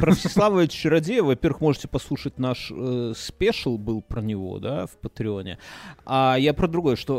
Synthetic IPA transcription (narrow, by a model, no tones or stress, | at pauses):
pɾəfsʲɪ̥sˠavəɪt͡ɕɾɐdʲejvɐpʲervɨxmo̞ʐɨtʲɪpɐslˠuʂət̚ʲnaʂəspʲeʂəlˠbɨlˠpɾənʲɪvo̞̰d̪a̰fpət̪ɾʲɪo̞nʲɪ̰ajapɾəd̪ɾʊɡo̞jəʂt̪o̞